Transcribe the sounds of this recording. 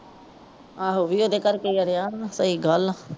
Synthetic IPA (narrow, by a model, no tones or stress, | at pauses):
aːɦoʋiːoːd̪eːkəɾkeəɾjaːnsəiːɡəl